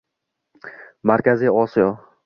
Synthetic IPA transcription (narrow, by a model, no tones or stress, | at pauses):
maɾkʲʰazijɒsijɒ